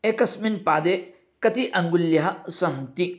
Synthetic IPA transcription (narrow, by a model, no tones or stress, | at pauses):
ekɐsminpad̪e | kɐt̪iʔɐŋɡulːjɐɦɐsɐmti